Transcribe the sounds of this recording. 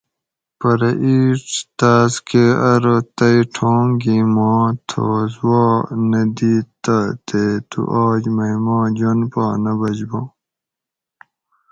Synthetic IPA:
pɐɾɐʔiːʈt̪aːzkeɐɾot̪ɐiʈʰoːŋɡimaːt̪ʰo̰ːzwaːnɐd̪iːt̪ɐt̪et̪ṵʔaːd͡ʑmɐimaːd͡ʑonpaːnɐbɐd͡ʑboː

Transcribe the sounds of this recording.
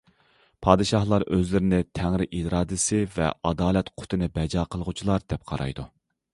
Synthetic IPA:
pʰɑːd̪ɨʃɑhlˠɑɾøzlɪɾɪnɪt̪ʰɛŋɾɪʔiɾɑːd̪ɨsɪvɛ̰ɑd̪ɑːlɛt̪qʰʊ̥t̪ʰɨnɪbɛd͡ʒɑːqʰəlˠəʁut͡ʃʰilˠɑɾd̪̥ɛp̚qʰɑ̰ɾɑ̰jd̪u

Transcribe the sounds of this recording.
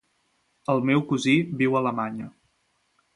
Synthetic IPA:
əlˠmɛwkuziβiwələmaɲə

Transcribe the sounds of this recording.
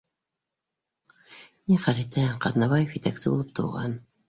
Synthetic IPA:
niχæɾit̪æqɑðnɑβɑjefjɘt̪æksɘbṵlˠɤp̚t̪ʰŏ̰wʁɑ̰n

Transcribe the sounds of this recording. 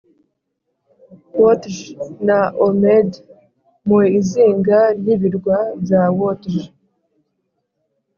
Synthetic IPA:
wotʒnaomed | muiziːŋɡaɾjiβiɾɡwazawotʒ

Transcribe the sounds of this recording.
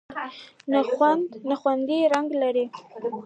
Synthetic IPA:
naxwand̪naxwand̪iɾaŋɡlaɾi

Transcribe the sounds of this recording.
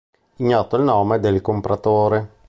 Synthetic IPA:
iɲːɔt̪ːoilnoːmed̪elkompɾat̪oːɾe

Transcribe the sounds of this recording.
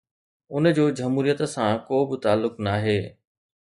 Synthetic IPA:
ʊnəd͡ʑoːd͡ʑɐmɦuːɾijət̪sãkoːbɪt̪aːlːʊknaːɦeː

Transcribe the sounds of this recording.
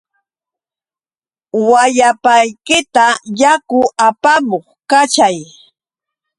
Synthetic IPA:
wajapajkɪt̪ajakʊʔapamoχkat͡ʃaj

